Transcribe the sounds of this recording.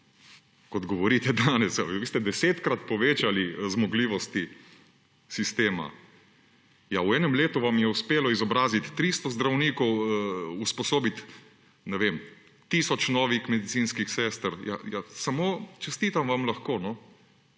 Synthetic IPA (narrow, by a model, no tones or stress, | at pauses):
kɔd̪ɡɔʋɔɾiːt̪ɛd̪aːnɛsjaʋʋist̪ɛd̪ɛseːt̪kɾat̪pɔʋeːt͡ʃalizmɔɡliːʋɔst̪i | sist̪eːma̰ | jawɛːnɛmleːt̪uʋamjɛuspeːlɔizɔbɾaːzit̪ːɾiːst̪ɔzd̪ɾawniːkɔwuspɔsoːbit̪ | nɛʋem | t̪isɔt͡ʃnɔːʋixmɛd̪it̪siːnskixsɛːst̪ɾjajasamoːt͡ʃɛst̪iːt̪amʋamlaxkoːnɔ